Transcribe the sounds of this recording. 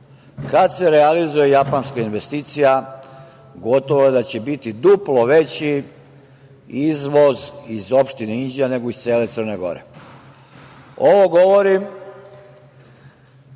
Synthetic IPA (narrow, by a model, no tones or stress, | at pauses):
kad̪se̞ɾealizuje̞japanskainʋest̪it̪sija | ɡo̞t̪oʋoed̪at͡ɕebit̪id̪uplo̞ʋe̞t͡ɕi | izʋozizo̞pʃt̪ineind͡ʒijane̞ɡoist̪seːle̞t̪sərne̞ɡo̞̰ɾḛ | oʋo̞ɡo̞ʋoɾim